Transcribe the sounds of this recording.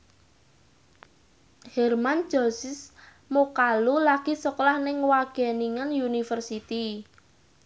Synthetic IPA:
hɛrman̥d͡ʒ̥ɔ̤sɪs | mokalulaɡ̥isɔklahnɪŋwaɡ̥ɛniŋənjunifərsit̪i

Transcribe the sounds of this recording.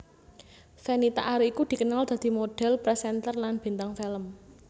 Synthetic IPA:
fenit̪a̰ʔaɾuikud̪̥i̤kənald̪̥a̤d̪̥i̤moɖ̥ɛ̤lpɾɛsɛnt̪ərlanb̥i̤nt̪aŋfɛləm

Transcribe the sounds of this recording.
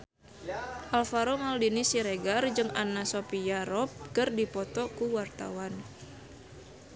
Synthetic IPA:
ʔalfaɾomaldinisiɾeɡard͡ʒɨŋanasopiaɾɔp̚kɨrdipɔt̪ɔkuwart̪a̰wan

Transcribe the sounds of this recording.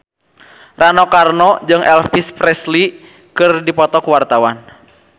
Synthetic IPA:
ranɔkarnɔd͡ʒɨŋʔɛlfispɾɛsli | kɨrdipɔt̪ɔkuwart̪awan

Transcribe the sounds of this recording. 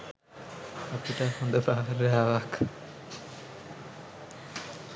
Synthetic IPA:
apiʈahond̪opaɾɛaʋak

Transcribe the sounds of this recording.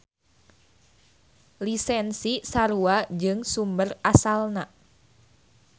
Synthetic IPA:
lisɛnsisaɾuad͡ʒɨŋsumbərasalna

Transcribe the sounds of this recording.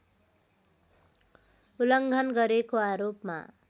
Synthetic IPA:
ulʌŋɡʱʌnɡʌɾekoaɾopma̰

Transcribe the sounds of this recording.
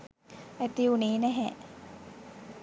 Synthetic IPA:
æt̪iuneːnɛɦɛ

